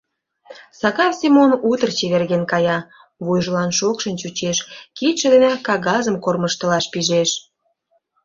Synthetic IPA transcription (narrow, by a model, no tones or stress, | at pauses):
sɑɣɑfsʲimonut̪ərt͡ɕeβerɣenkɑjɑ | βujʒəlɑnʃokʃənt͡ɕut͡ɕeʃkit̪ʃə̆d̪enɑkɑɣɑzəmkorməʃt̪ə̆lɑʃpiʒeʃ